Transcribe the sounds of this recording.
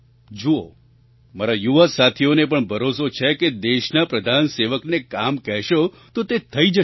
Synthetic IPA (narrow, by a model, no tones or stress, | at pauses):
d͡ʒuo̰ | maɾajuʋasat̪ʰionepəɳbʱəɾosot͡ʃʰeked̪eʃnapɾəd̪ʱanseʋəknekamkɛɦʃo | t̪ot̪et̪ʰəid͡ʒə